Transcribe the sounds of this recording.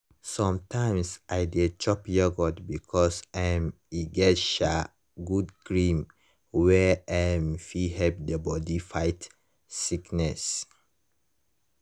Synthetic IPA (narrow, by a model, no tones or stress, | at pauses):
sɔ̃mtʰãɪ̃msaɪdet͡ʃɔpjɔɡɔdbikʰɔsɛm | iɡɛtʃa | ɡudɡɹĩm | wɛɛmfihɛp̚debɔdifaɪt | siknɛs